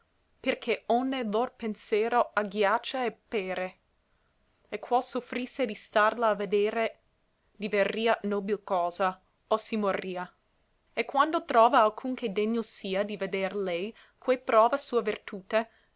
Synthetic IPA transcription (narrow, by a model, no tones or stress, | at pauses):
perkʰeonːelorpensjeːɾoaɡjat͡ʃːaepeːɾe | ekʰwɔsofɾisːed̪ist̪arlaːved̪eːɾe | d̪iverːiːanoːbilkɔːza | osimorːiːa | ekːwand̪ot̪ɾɔːvaːlkʰuŋked̪eɲːosiːad̪ived̪erlɛj | kʰwepɾɔːvasuːavert̪uːt̪e